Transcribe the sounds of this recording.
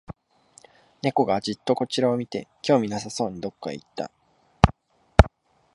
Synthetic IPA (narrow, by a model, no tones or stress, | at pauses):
ne̞ko̞ɡad͡ʑit̪ːo̞ko̞t͡ɕiɾao̞mʲit̪e̞̰kʲo̞ːmʲinas̬aso̞ːɲ̟id̪o̞kːa̰ḭt̪ːa̰